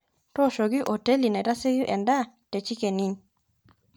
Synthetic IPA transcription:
tɔ˦˨ʃo˨ɡɪ˦ʔo˨te˦li˨na˨ɾa˦se˦ɡu˦ʔɛ˨nda˦ | te˨t͡ʃi˦ke˨ni˦ɲ

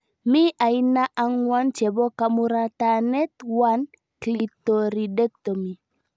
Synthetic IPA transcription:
mi˦ʔa˨i˦na˦ʔa˦ŋwa˦nt͡ʃɛ˨bɔ˦ka˨mu˦ɾa˦ta˨nɛ˦t̪wa˦n | kli˨to˨ɾi˨de˦k̚to˨mi˨

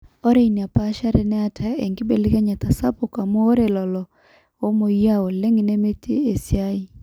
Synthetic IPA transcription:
ɔ˦ɾe˨i˨ni˨a˨pa˦ʃa˦ɾɛ˨nɛ˦a˨tʰa˨e˨ŋɡi˦be˨le˦ɣɛ˦ɲa˨ta˨sa˦po˨ka˨moː˦ɾe˨lɔ˨lɔ˨ | wɔ˦mo˨i˦a˦˨ɔ˨le˦ŋɡɪ˨ne˦me˦tʰe˦e˨sja˦i˦˨

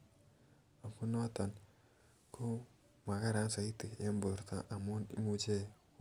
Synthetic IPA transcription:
a˨fu˦no˦ta˨n | kʰo˦ | ma˨ka˦ɾa˦n˦sa˨i˦ti˨e˦mbo˨ɾta̰˦ʔa˨mo˦ni˦mu˦d͡ʒe˦

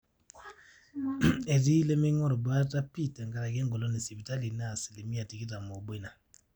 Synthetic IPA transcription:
e˨ti˦le˦mɛ˦ŋɔ˦ɾɔ˨ba˦ta˦pi˦˨tɛ˨ŋɡa˦ɾa˨ɡɛ˦ŋɡɔ˨lɔ˦ni˨si˨bi˨ta˦li˨na˦˨si˨le˨mi˦a˨ti˨ki˦ta˨mɔ˨bɔ˦i˦na˨

